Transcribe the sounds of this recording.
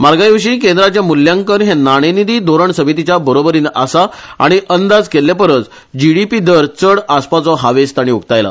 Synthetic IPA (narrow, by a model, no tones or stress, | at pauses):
maɾɡajʋəɕiːkend̪ɾat͡ɕjamuljãŋkəɾɦenaɽ̃enid̪iːd̪ʱoɾəɳsəmit̪it͡ɕabəɾobəɾina̰saa̰ɽ̃iʔənd̪ad͡zkelːapəɾət͡s | d͡ʑiɽipid̪əɾt͡səɽaspat͡sɔɦaʋest̪aɽ̃iukt̪ajla̰